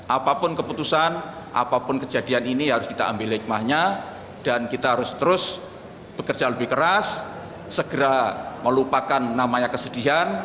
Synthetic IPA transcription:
ʔapapʊnkəput̪usan | ʔa̰papʊnkə̥d͡ʒadianiniɦaɾʊskit̪a̰ʔambɪlɦɪk̚mahɲa | d̥ankit̪aɦaɾʊst̪əɾʊs | b̥əkərdd͡ʒaləbɪhkəɾasː | əɡ̥əɾaməlupakanːamaɲakəsədiɦan

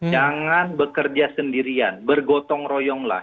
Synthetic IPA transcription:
d͡ʒaŋanbəkərd͡ʒasəndiɾianbərɡɔt̪ɔŋrojɔŋla̰h

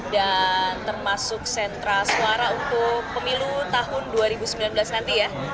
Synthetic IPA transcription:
dant̪ərmasʊk̚sɛnt̪ɾasuaɾaunt̪ʊk̚pəmilut̪aɦʊnduaɾibusəmbilanblasnant̪ija

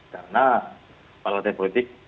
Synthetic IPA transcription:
kaɾəna | paɾlat̪ɛpolit̪ɪk̚

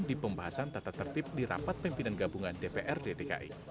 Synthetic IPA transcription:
dipəmbaɦasant̪at̪at̪ːərt̪ɪp̚diɾa̰pat̪̚pimpinanɡabuŋandepeʔɛrdedeka̰ʔḭ

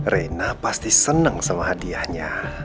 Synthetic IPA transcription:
renapast̪isənəŋsəmaɦadiahɲa

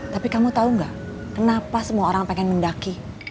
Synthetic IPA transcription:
t̪apikamut̪auŋɡa̰ʔ | kənapasəmuaoɾaŋpeŋɛnməndaki

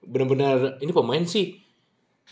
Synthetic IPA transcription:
bənarbənarinipəmaɪnsɪh

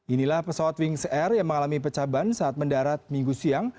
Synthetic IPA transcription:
ʔinilahpəsawat̪wiŋsɛrjaŋməŋalamip̬ət͡ʃabansaat̪̚məndaɾat̪̚miŋɡusiaŋ

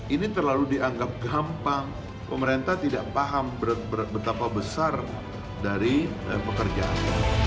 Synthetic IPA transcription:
init̪ərlaludiaŋɡap̚ɡampaŋ | pəməɾent̪at̪idaʔpaɦambbəbət̪apabəsar | daɾiəpəkərd͡ʒaʔa̰na̰

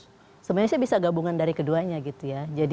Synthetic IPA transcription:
səmuasiabisaɡabuŋandaɾikəduaɲaɡit̪ujad͡ʒad

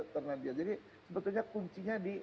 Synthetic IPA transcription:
t̪ərnadiad͡ʒadi | səbət̪ʊlɲakuɲt͡ʃiɲadi

